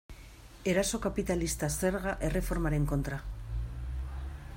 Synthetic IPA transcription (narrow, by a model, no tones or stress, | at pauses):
e̞ɾaso̞kapit̪alist̪ase̞ɾɣ̞aʔere̞fo̞ɾmaɾeŋko̞nt̪ɾa